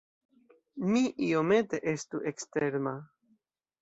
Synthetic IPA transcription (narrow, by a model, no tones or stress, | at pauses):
miʔio̞me̞te̞ʔe̞st̪uʔekst̪eɾma